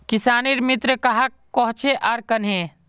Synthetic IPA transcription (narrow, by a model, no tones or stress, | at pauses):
kisaːniɾmit̪ɾəkəɦakːɔɦt͡ʃʰeʔaɾkənɦẽ